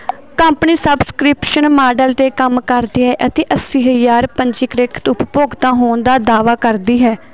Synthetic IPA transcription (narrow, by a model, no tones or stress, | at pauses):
kəmpniːsəbskɾɪpʃənmaːɖəlt̪eːkəmkəɾd̪iːɦɛːʔət̪eːʔəsiːɦəjaːɾpəɲd͡ʒɪːkɾɪkʰt̪ʊppoːɡt̪ãːɦoːnd̪aːd̪aːʋaːkəɾd̪iːɦɛː